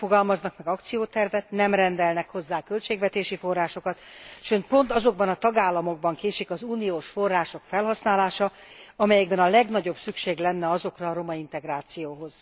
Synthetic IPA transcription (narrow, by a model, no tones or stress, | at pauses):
fo̞ɡɒlmɒznɒkmɛɡɒkt̪sijoːt̪ɛrvɛt̪nɛmrɛnd̪ɛlnɛkho̞zːaːkø̞lt͡ʃeːɡvɛt̪eːʃifo̞rːaːʃo̞kɒt̪ʃøːnt̪̚po̞nt̪ɒzo̞ɡ̚bɒnɒt̪ɒɡaːlːɒmo̞ɡ̚bɒŋkeːʃikɒzuːnijoːʃfo̞rːaːʃo̞kfɛlɦɒsnaːlaːʃɒ | ɒmɛjɛɡbɛnɒlɛɡn̪ɒɟo̞bsykʃeːɡlɛnːɛɒzo̞krɒːɾo̞mɒint̪ɛɡraːt̪sijoːɦo̞z̥